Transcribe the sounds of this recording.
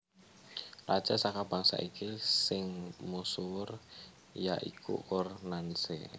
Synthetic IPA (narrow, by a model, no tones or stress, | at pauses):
lʔad̥ʒ̥asakab̥aŋsa̰ʔikisɪŋmusur | jaʔḭkʰṵkʊrnansḛ